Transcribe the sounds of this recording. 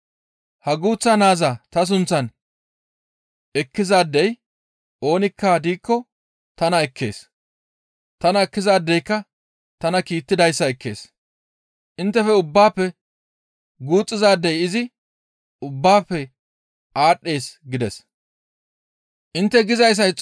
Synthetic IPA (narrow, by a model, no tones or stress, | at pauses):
hɐɡuːt͡sːɐnaːzat̪ɐs̬ʊnt͡sːɐn | ɛkːɪzaːd̪ːɛj | o̞ːnɪkːad̪iːkːɔ | t̪ɐnɐɛkʰːe̞̰ːs | t̪ɐnɐɛkːɪzaːd̪ːɛjkːɐ | t̪ɐnɐkiːt̪ːɪd̪ɐjsːɐɛkːe̞̰ːs | ʔɪnt̪ːɛfɛʊbːaːpːɛ | ɡuːt͡sʼːɪzaːd̪ːɛjɪzɪ | ʊbːaːpːɛ | aːɗːe̞ːsɡɪd̪ɛs | ʔɪnt̪ːɛɡɪzɐjs̬ɐt͡sʼ